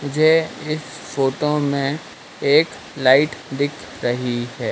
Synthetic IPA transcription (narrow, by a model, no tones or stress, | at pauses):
mʊd͡ʒʱeɪsfoːʈomẽ | eːk | laːɪʈd̪ɪkʰɾɐɦiɦɛː